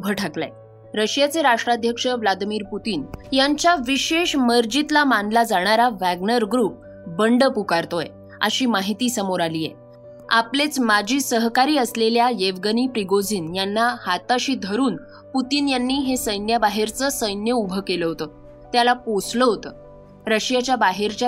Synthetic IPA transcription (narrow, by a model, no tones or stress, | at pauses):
ubʱəʈʰakla̰j | ɾəɕjat͡seɾaʂʈɾad̪ʱjəkʂəʋlad̪imiːɾput̪iːnjaɲt͡ɕjaʋiɕeʂməɾd͡ʑit̪lamanlad͡zaɽ̃aɾaʋæɡnəɾɡɾuːp̚ | bəɳɖəpukaɾt̪oj | ə̰ɕiːmaɦit̪iːsəmoɾaliːjḛ | a̰plet͡smad͡ʑʱiːsəɦkaɾiːəsleljajeʋɡəniːpɾiɡod͡ziːnjanːahat̪aɕiːd̪ʱəɾuːn | put̪iːnjanːiːɦesəjnjabaɦeɾt͡səsəjnjəubʱəkeləɦot̪ə | t̪jalaposləɦot̪ə | ɾəɕjat͡ɕjabaɦeɾt͡ɕa